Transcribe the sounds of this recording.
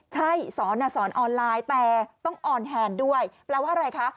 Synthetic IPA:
t͡ɕʰa˥˩jsɔː˩˦nʔa˧˩sɔː˩˦nʔɔː˧nlaː˧jt̪ɛː˨˩t̪ɔ˥˩ŋʔɔː˨˩nɦɛː˧ndu˥˩əjpɾɛː˧waː˥˩ʔa˧ɾa˧jkʰa˦˥ʔ

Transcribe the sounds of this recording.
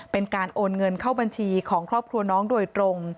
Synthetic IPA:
pe˧nkaː˧nʔoː˧nŋɤ˧nkʰaː˥˩wba˧nt͡ɕʰiː˧kʰɔː˩˦ŋkʰɾɔː˥˩p̚kʰɾu˧ɐnɔː˦˥ŋduː˧˩əjt̪ɾo˧ŋ

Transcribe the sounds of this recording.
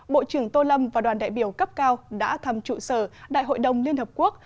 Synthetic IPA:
ɓo̰˧˨t͡ɕɨ˧˩əŋt̪o˧lə˧mvaː˨˩ɗwaː˨˩nɗa̰ː˧˨jɓi˧˩əwkə˦˥p̚kaː˧wɗa̰ː˧˥t̪ʰə˨˩mt͡ɕṵ˧˩səː˧˩ɗa̰ː˧˨jɦo̰˧˨jɗə˨˩wŋ͡mli˧ənhəː˨˩p̚ku˦˥ək̚

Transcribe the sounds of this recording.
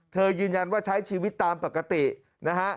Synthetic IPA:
t̪ʰɤː˧jɯː˧nja˧nwaː˥˩t͡ɕʰa˦˥jt͡ɕʰiː˧wi˦˥t̪ːaː˧mpa˨˩kːa˧t̪i˨˩ | na˦˥kʰa˦˥ʔ

